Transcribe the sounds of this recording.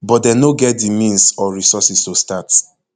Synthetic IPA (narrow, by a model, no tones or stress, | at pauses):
bɔt̚dɛnoɡɛt̚dimĩnsɔɹisɔsistostat